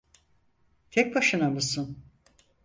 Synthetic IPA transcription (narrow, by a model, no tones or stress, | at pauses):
t̪ʰɛc̚ʲbaʃɯnamɯsɯn